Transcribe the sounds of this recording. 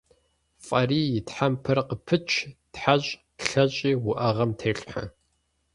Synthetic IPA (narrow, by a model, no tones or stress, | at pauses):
fʼɐriːjɪtħampʰɨrqəpʰɨt͡ʃʰtħaɕʼtɬɐɕʼiːwʊʔɐʁɐmtʰeːɬʼħa̰